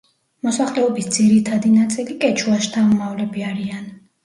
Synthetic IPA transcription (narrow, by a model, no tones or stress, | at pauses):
mɔsaχlɛɔbisd̪ziɾit̪ʰad̪inat̪sʼilikʼɛt͡ʃʰuaʃt̪ʰamɔmavlɛbiaɾian